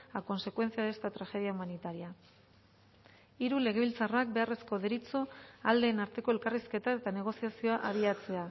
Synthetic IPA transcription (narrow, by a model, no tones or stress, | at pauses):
ako̞nse̞kwe̞nt͡siaðest̪at̪ɾaxe̞ð̞iaumanit̪aɾia | iɾule̞ɣ̞e̞β̞ilt͡sarak̚be̞are̞sko̞ðeɾit͡soald̪e̞ːnaɾt̪e̞ko̞e̞lkariske̞t̪ae̞t̪ane̞ɣ̞o̞siasio̞aʔaβiat͡se̞a